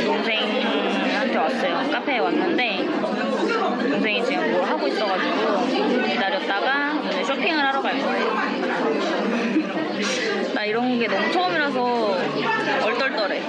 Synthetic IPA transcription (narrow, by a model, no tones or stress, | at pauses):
unsʰe̞ŋin | ɯ | at͈jʌwas͈ʌjok͈apʰeewanːɯnde̞ | uns̬ʰe̞ŋit͡ɕiɯmʌɭɦaɡoit̚s͈ʌɡad͡ʑiɡo | itaɾjʌt̚t͈aɡa | d͡ʑeɕʰopʰiŋɯɾɦaɾʌɡaɭk͈ʌɦejo | daiɾʌnɡoɡe̞nʌmut͡ɕʰʌmiɾas̬ʰʌ | ʌɭt͈ʌɭt͈ʌɾe